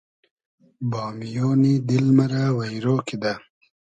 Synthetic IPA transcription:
bɑːmijoːnid̪ilmaɾawajɾoːkid̪a

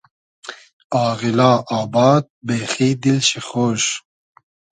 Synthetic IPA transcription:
ɑːɣilaːʔaːbɑːd̪̚beːχiːd̪ilʃiχoːʃ

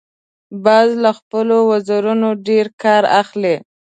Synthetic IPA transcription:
bɑzlaxpəlowazaɾunoɖeɾkɑɾa̰xle

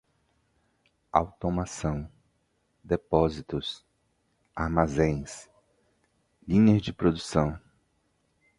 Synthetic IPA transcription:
a̰wt̪omasɐ̃w̃ | d̪epɔzit̪ʊs | aɾmazẽj̃s | lĩɲɐzd͡ʒɪpɾod̪usɐ̃w̃

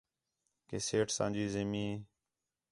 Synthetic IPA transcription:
keːseːʈsã̰ːd͡ʒiːzemĩː

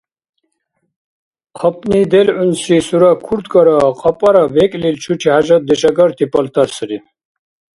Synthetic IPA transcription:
qʰɔpnid̪elunsisuɾakʰuɾt̪kɔɾɔqʼɔpʼɔɾabekʼlilt͡ʃʰuʈʰiɦad͡ʑɔt̪̚d̪iɕɐɡɔɾt̪ʰipɔlt̪ɐɾsɾi

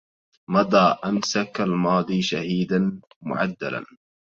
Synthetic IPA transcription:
mɑd̪ˤɑːʔamsakalmɑːd̪ˤiːʃahiːd̪an | mʊ̰ʕa̰d̪ːa̰la̰n

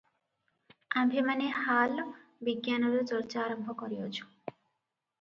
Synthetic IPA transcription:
ambʱemanehalbiɡjanɔɾot͡ʃɔɾt͡ʃaːɾɔmbʱɔkɔɾiot͡ʃʰu̥

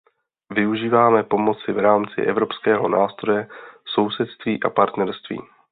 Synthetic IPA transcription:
vɪuʒiːvaːmɛpo̞mo̞t͡sɪvɾaːmt͡sɪ̰ʔɛvɾo̞pskɛːɦo̞naːst̪ɾo̞jɛso̞wsɛt̪st̪viːʔa̰paɾt̪nɛɾst̪vḭː

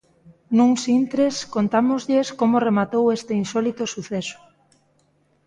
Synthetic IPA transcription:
nũŋsint̪ɾeskont̪amozʎeskomoremat̪owest̪einsɔlit̪osuθeso̥

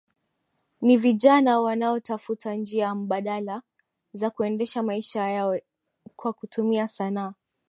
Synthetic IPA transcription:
niviʄanawanaɔtafutʰand͡ʒiam̩ɓaɗala | zakuɛndɛʃamaiʃajawɛ | kwakutumiasanaː

